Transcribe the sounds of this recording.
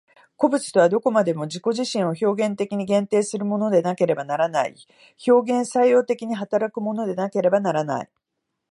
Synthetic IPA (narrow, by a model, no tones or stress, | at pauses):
ko̞bɯ̟t͡sɨ̥t̪o̞βad̪o̞ko̞mad̪e̞mo̞ʑiko̞ʑiɕĩɰ̃o̞ço̞ːɡẽ̞nt̪e̞kʲiɲ̟iɡẽ̞nt̪e̞ːsɨɾɯ̟mo̞no̞d̪e̞nake̞ɾe̞banaɾanaḭ | ço̞ːɡẽ̞ɰ̃saijo̞ːt̪e̞kʲiɲ̟iɦat̪aɾakɯ̟mo̞no̞d̪e̞nake̞ɾe̞banaɾana̰ḭ